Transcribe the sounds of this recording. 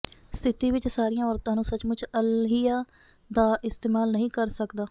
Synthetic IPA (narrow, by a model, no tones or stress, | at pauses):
st̪ʰɪt̪iːʋɪt͡ʃsaːɾijãːɔːɾt̪ãːnũːsət͡ʃmʊt͡ʃʰəlɦijaː | d̪aːʔɪst̪eːmaːlnəɦĩːkəɾsəkd̪aː